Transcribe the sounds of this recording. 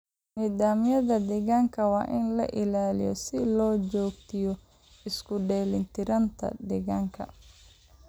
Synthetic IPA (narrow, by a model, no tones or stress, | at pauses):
niːðaːmɪjɐðɐd̪ɛɣaŋkʰɐwɑ̰ːʔɪnlɐ̰ʔɪlaːlɪ̰jɔ̰sɪlɔːt͡ʃɔːɡ̚t̪ʰɪjɔ | ɪskʰʊɖɛːlɪnt̪ʰɪɾɐnt̪ʰɐ̰d̪ɛɣaːŋkʰɐ̰